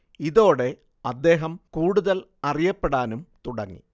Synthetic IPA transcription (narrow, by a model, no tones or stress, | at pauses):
iðo̞ːɽe̞ | ɐd̪ːe̞ːɦɐmkuːɽuðɐl | ɐrijɐpːeɽaːnumt̪uɽɐŋːḭ